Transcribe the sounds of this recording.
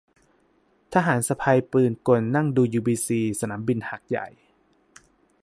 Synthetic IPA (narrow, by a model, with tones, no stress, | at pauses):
t̪ʰa˧ɦaː˩˦nsa˧pʰa˧jplɯː˨˩nko˧˩nːa˥˩ŋduː˧juː˧biː˧siː˧sa˧naː˩˦mbi˧nha˨˩k̚ja̰˨˩j